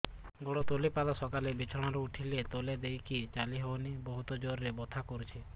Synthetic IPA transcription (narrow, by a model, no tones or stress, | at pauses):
ɡɔɽɔt̪olepad̪ɔsɔkalebet͡ʃʰɔɽ̃aɾuuʈʰilet̪oled̪ejkʰit͡ʃaliɦeɔnibɔɦut̪ɔd͡ʒoɾɾebɔt̪ʰakɔɾut͡ʃʰi